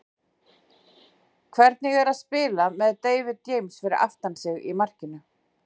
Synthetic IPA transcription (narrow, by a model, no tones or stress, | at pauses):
kʰvɛɾt̪nɪɣɛɾaðspɪːlamɛðt̪eːjvɪðt̪ːjeːjmsfɪɾɪɾʔa̰ft̪ansɪɣḭmar̥cɪnʏ